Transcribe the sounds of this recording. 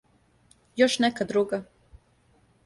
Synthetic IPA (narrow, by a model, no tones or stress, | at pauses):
joʃnekad̪ɾuɡa